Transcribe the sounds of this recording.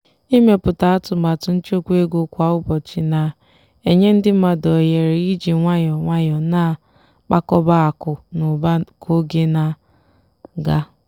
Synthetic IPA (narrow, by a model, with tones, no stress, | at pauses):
i˦me˨pʊ˨ta˨a˦tʊ˨ma˨tʊ˨n̩˦t͡ʃo˦kʷe˦ɡo˨kʷa˨ʊ˦bɔ˨t͡ʃi˨na˨ | e˨ɲe˦n̩˦dɪ˦m̩˦ma˦dɔ˨je˨ɾi˨˦i˦d͡ʒi˨ŋʷa˦ɲɔ˨ŋʷa˦jɔ˨na˨ | k͡pa˦kɔ˦ba˦a˨kʊ˨nʊ˨ba˦kʰo˦ɡe˦na˨ | ɡa˦